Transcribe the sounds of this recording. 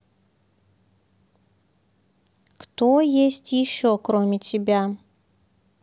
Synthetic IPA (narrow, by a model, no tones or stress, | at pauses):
kt̪ojesʲtʲjɪɕːokɾomʲɪtʲɪbʲa